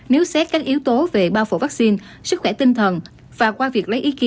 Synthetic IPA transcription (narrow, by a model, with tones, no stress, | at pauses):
ne˨˦wsɛ˦˥t̚kaː˦˥k̚ʔi˨˦əwt̪o˨˦ve˨˩ɓaː˧wfo̰˧˩vaː˦˥k̚si˧n | sɨ˦˥xwɛ˧˩t̪ï˧ŋt̪ʰə˨˩n | vaː˨˩kwaː˧vi˨˩ək̚lə˨˦jʔi˨˦ki˨˦